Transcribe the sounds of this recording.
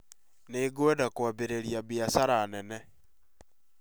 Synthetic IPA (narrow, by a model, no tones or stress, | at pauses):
neɡwɛdakwabeɾeɾjabjasaɾanɛnɛ